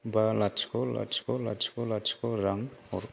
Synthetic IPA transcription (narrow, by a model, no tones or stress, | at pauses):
balat͡ʃkola̰t͡ʃkola̰t͡ʃʰkolat͡ʃkoɾaŋɔɾ